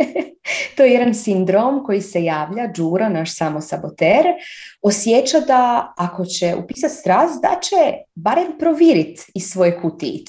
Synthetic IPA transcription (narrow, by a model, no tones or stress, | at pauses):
t̪o̞jejed̪ansind̪ɾo̞ːmko̞jise̞jaːʋʎad͡ʒuːɾanaʃsaːmo̞sabo̞t̪eːɾo̞sjet͡ɕad̪aako̞t͡ɕeʔṵpiːsat̪st̪ɾasd̪a̰t͡ɕebaɾempɾoʋiːɾit̪isʋo̞jekut̪ḭːt̪